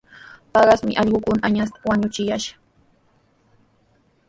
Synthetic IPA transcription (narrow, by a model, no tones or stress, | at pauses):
pɑɢɑsmɪ̰ʔɑʎɢʊkʊnaʔaɲas̬t̪ḁwaɲʊt͡ʃɪjaʃḁ